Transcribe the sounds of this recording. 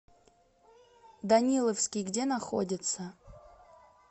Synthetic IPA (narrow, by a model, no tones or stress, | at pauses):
d̪ɐnʲilˠəfskʲɪjɡdʲe̞nɐxo̰dʲɪt̪sə